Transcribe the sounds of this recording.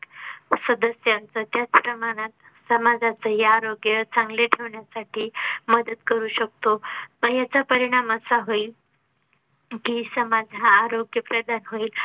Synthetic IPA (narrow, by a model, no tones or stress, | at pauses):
səd̪əsjant͡sət̪jat͡spɾəmaɽ̃at̪̚ | səmad͡zʱat͡səɦjaːɾoɡjət͡sãŋɡleʈʰeʋɳjasaʈʰiːməd̪ət̪kəɾuːɕək̚t̪opəɳjat͡sapəɾiɽ̃aməsaɦoil | kiːsəmad͡zʱaːɾoɡjəpɾəd̪ʱanɦoiːl